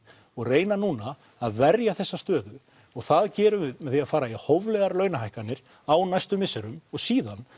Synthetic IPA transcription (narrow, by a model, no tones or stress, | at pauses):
ɔɣreːjnanuːna | aðvɛɾjaθɛsːast̪œːðʏ | ɔɣθaðcɛːɾʏmɛðθiaðfaːɾaihovlɛɣaɾlœɥnaɦajhkanːɪɾ̥ | awnajst̪ʏmɪsːɛɾʏmɔɣsiːðan